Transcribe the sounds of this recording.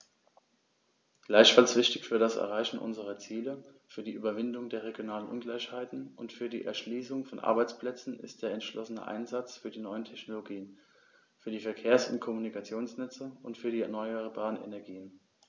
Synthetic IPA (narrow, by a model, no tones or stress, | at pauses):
ɡ̥laɪçfalsv̥ɪçtɪçfyːɐɾasɛ̰ɐʁaɪçn̩ʔʊ̰nzəʁɐt͡siːləfyːɐdiːʔyːbɐvɪndʊŋdeːɐʁ̞eɡjonaːlənʔʊnɡlaɪʃhaɪtn̩ʔʊntfyːɐdiːʔɛ̰ɐʃliːsʊŋfɔnʔa̰ɐbaɪt͡spl̥ɛt͡sn̩ɪ̰std̥eːɐɛntʃlɔsənə̰ʔa̰ɪnzat͡sfyːɐdiːnɔʏəntʰɛçnoloɡiːən | fyːɐdiːfɛɐkʰeːɐsʊ̰ntkʰɔmunikʰat͡sjoːnsnɛt͡səʊntfyːɐɾiːɛɐnɔʏaʁəbaːʁənḛnɛɐɡiːən